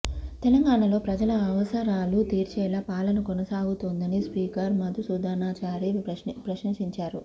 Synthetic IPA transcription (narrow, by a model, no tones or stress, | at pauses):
t̪elɐŋɡaːɳɐlo̞ːpɾɐd͡ʒɐlɐːʋɐsɐɾaːlut̪iːɾt͡ʃɛːlɐpaːlɐnɐkonɐsaːɡut̪oːnd̪ɐnispiːkɐɾmɐd̪usud̪ʱaːnaːt͡ʃaːɾipɾɐʃiŋʂiɲt͡ʃaːɾu